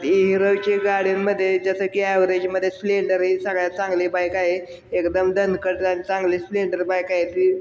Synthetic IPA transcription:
t̪ɦiɾəʋt͡ɕeɡaɽ̤iːəd̪ʱːjed͡zasəkiaʋɾed͡ʑməd̪ʱːjesleɳɖəɾɦisəɡɭjat͡sãŋɡlibajkaɦe | ekd̪əmd̪ənkəʈt̪anit͡sãŋɡlisleɳɖəɾbajkaɦet̪iː

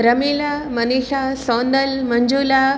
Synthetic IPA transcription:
ɾɐmiːlaːmɐniːʃaːsoːnd̪əlmɐɲd͡ʒuːla

